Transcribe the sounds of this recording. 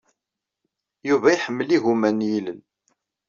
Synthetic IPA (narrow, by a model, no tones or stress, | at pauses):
juvæiħəmːəliɣumænjilən